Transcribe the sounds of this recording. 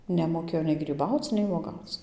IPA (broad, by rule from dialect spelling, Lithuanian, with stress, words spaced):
nʲɛmoːˈkʲeːjoː nʲɛɪ ɡrʲiːˈbɐʊt͡s nʲɛɪ ʋuɔˈɡɐʊt͡s